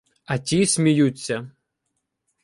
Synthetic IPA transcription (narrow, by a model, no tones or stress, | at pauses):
ɐtʲisʲmʲijut͡sʲːɐ